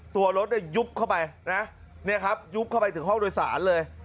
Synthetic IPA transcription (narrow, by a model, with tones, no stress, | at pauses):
t̪u˧ɐɾo˦˥t̪̚daː˥˩jːu˦˥p̚kʰa˥˩wpa˧jna˦˥ | ni˥˩ɐkʰa˦˥p̚ju˦˥p̚kʰa˥˩wpa˧jt̪ɯ˨˩˦ɦɔ˥˩ŋdoː˧jsa̰ː˩˦nlɤː˧j